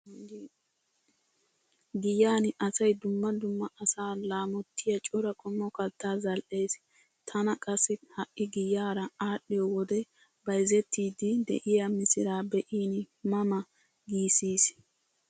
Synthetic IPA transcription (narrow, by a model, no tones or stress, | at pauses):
ɡɪjaːnʔɐsɐjd̪ʊmːɐd̪ʊmːɐʔɐsaːlaːmɔt̪ːɪjɐt͡ʃʼɔɾɐkʰʼɔmːɔkɐt̪ʰːaːzɐlʔe̞ːs | t̪ʰɐnɐkʼɐsːɪhɐʔɪɡɪjːaːɾɐaːɗːɪjɔwɔd̪ɛ | bɐjzɛt̪ːiːd̪ɪd̪ɛ̰ʔɪjɐmɪsɪɾaːbɛʔiːn | mɐmɐ | ɡiːsiːs